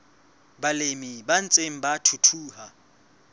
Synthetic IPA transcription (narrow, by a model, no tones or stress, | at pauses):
balemiban̩t͡sʼem̩batʰutʰuːha